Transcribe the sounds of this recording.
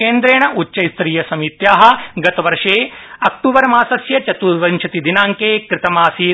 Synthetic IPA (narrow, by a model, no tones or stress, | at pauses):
eːnd̪ɾeːɳɐʔutːʃɐjst̪ɾiːjɐsɐmit̪jaːɦɐ̆ɡɐt̪ɐʋɐɾʂeːɐkʈuːbɐɾɐmaːsɐsjɐt͡ʃɐt̪uːɾʋɐnt͡ʃʰɐt̪id̪inaːŋkeːkɾɪt̪ɐmaːsiː